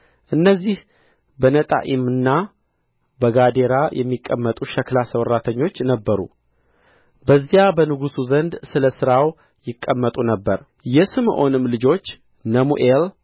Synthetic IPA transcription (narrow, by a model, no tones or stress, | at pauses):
ʔɨnːəzːih | bənət̪ʼa̰ʔimɨnːa | bəɡad̪e̞ɾajʔɛ̰mːikʼːəmːət̪ʼuʃəklasəwɾat̪ʰəɲːo̞t͡ʃːnəbːəɾṵ | bəzːjabənɨɡusuzənd̪sɨləsɨɾaw | jɪkʼːəmːət̪ʼunəbːəɾ | jɛsɨmʔo̞nɨmlɨd͡ʒo̞t͡ʃː | nəmṵʔel